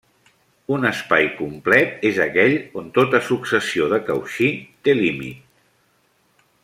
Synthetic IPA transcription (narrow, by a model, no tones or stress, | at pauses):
unəspajkumplɛt̪ezəkɛʎont̪ot̪əsuksəsioðəkəwʃit̪elimḭt̪̚